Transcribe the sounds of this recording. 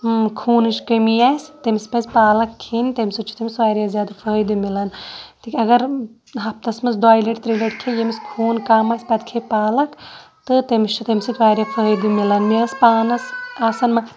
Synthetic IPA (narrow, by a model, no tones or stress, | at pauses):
kʰuːnɨʃkəmiaːsʲt̪ɐmispʲɐzʲpaːlɐkʰːeːnt̪emʲsɐt͡ʃʰu̥t̪ɐmisʋaːɾjazʲjaːd̪afəːjd̪imilɐnt̪ikʲɐɡɐɾ | ɦɐp̚t̪ɐsmɐsɖaːjleʈt̪ɾileʈkʰejemiskʰuːnkaːmaːsʲpʲɐd̪ʲkʰepaːlɐk | t̪ɨt̪emist͡ʃʰut̪ɐmisit̪ʲʋaːɾjaːfʰəːjd̪imilɐnmiɐspaːnɐsaːsɐnmɐ